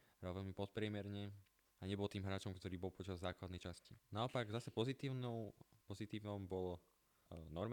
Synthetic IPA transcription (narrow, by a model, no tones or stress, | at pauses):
bɾalʋɛlmipɔt̪̚pɾɪɛmɛɾɲɛ | aɲɛbɔlt̪iːmɦɾaːt͡ʃɔmkt̪ɔɾiːbɔlpɔt͡ʃazːaːklad̪nɛjt͡ʃascinaɔpaɡzasɛpɔzit̪iːʊnɔʊpɔzit̪iːʊnɔmbɔlɔ | nɔɾm